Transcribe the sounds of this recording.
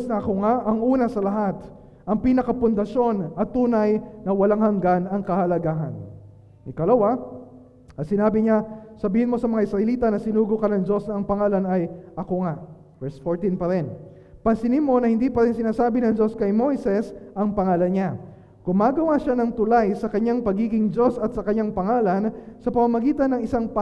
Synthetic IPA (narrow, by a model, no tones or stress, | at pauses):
snɐʔɐkoŋaʔɐŋʔuːnɐsɐlɐɦat̪ | ʔɐŋpiːnɐkɐpʊnd̪ɐʃo̞nɐt̪ːuːnɐjnɐwɐlaŋhɐŋɡanɐŋkɐhɐlɐɡaːɦɐ̰n | ɪkɐlɐwa | ɐt̪sɪnaːbɪɲasɐbiːhɪnmo̞sɐmɐŋaʔɪsɾɐʔɛliːt̪ɐnɐsɪnuːɡokɐnɐŋd͡ʒo̞snɐːŋpɐŋaːlɐnɐjʔɐkoŋaʔ | vɛɹsfoɹt̪inpɐɾɪn | pɐŋsɪnimo̞nɐhɪnd̪iːpɐɾɪnsɪnaːsaːbɪnɐŋd͡ʒo̞skɐjmo̞jsɛsʔɐŋpɐŋaːlɐnɲa | ɡ̥ʊmaːɡɐwaʃanɐŋt̪ʊlajsɐkɐɲaŋpɐɡiːɡɪŋd͡ʒo̞sɐt̪sɐkɐɲaŋpɐŋaːlɐnsɐpɐmamɐɡiːt̪ɐnːɐŋɪsaŋp